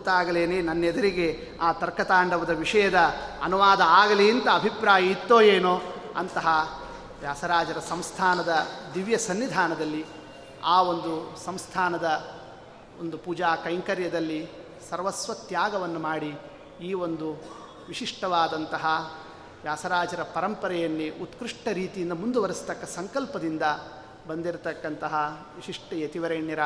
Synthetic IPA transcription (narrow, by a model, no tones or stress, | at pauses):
t̪aːɡɐleːneːnɐnːed̪ɐɾiɡe̞ | aːt̪ɐɾkɐt̪aːɳɖɐʋɐd̪ɐʋiʂɐjɐd̪ɐɐnuʋaːd̪ɐaːɡɐliːnt̪ɐːbʱipɾaːjɐit̪ːoːjeːnoːɐnt̪ɐɦɐ | ʋjaːsɐɾaːd͡ʒɐɾɐsɐmst̪ʰaːnɐd̪ɐd̪iʋjɐsɐnːid̪ʱaːnɐd̪ɐlːi | aːo̞nd̪usɐmst̪ʰaːnɐd̪ɐ | ond̪upuːd͡ʒaːkɐjŋkɐɾjɐd̪ɐlːi | sɐɾʋɐsʋɐt̪jaːɡɐʋɐnːumaːɽi | iːo̞nd̪u | ʋiʂiʂʈɐʋaːd̪ɐnt̪ɐɦɐ | ʋjaːsɐɾaːd͡ʒɐɾɐpɐɾɐmpɐɾɛjɐnːiʔut̪kɾiʂʈɐɾiːt̪ijind̪ɐmund̪uʋɐɾist̪ɐkːɐsɐŋkɐlpɐd̪ind̪ɐ | bɐnd̪iɾt̪ɐkːɐnt̪ɐɦɐʋiʂiʂʈɐjet̪iʋɐɾɐːɳjɐɾɐ